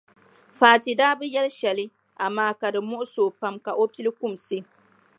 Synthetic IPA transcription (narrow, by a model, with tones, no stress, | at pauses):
faː˨ti˨daː˦bɨ˦jɛ˦lʃɛ˨lɨ˦ | ʔa˨maː˦ka˨dɨ˨mʊ˦ʔʊ˦soː˨pa˨mka˨ʔo˦pi˦lɨ˦ku˦˨msɨ˦